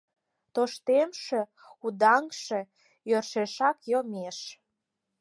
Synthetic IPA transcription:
t̪oʃt̪emʃĕ | ud̪ɑŋʃĕ | jørʃeʃɑkjomeʃ

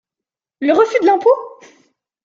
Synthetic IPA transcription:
ləʁəfyd̪əlɑ̃po

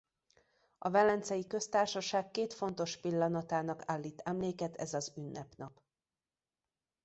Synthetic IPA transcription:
ɒvɛlːɛnt̪sɛjikø̞st̪aːrʃɒʃaːkːeːt̪fo̞nt̪o̞ʃpilːɒnɒt̪aːnɒkaːlːiːt̪ɛmleːkɛt̪ɛzɒzynːɛpnɒp

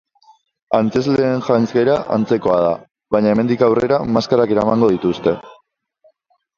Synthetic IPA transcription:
ant͡se̞zle̞ːnʝajnt͡skeɾaʔa̰nt͡se̞ko̞að̞a | βajɲae̞me̞nd̪ikawre̞ɾamaskaɾake̞ɾamaŋɡo̞ð̞it̪ust̪e̞

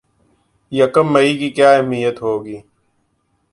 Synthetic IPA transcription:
jəkəmːəiːkiːkjaːemijət̪ɦoːɡiː

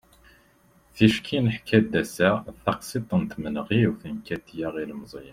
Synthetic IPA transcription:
θiʃkʰinəħkʰæd̪ːæsæθɑqsˤit̪ˤːənt̪mənʁiwθənkæt̪jæʁilmzˤj

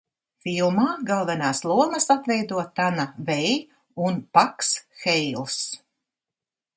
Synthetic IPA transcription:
filˠmaːɡalˠvɛnaːslˠuɔmɐsat̪vɛjd̪uɔt̪anavɛj | unpaksxɛjlˠs

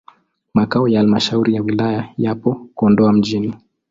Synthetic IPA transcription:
makaɔjaalmaʃauɾijawilajajapɔkuɔndɔam̩ʄini

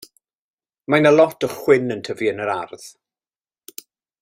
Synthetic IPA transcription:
majnalˠɔtʰɔχwɪnəntʰəviənəɾarð

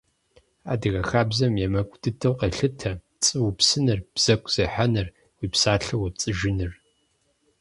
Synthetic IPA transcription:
a̰ːdɨɣɐxaːbzɐmjɛmɐkʷʼd̥ɨtʰɐwqeɬɨtʰɐ | t͡sʼɨwupsɨnɨrb̥z̥ɐkʷʼz̥ɐħanɨr | wiːpsaːɬɐwɐp̚t͡sʼɨʒɪnɨr

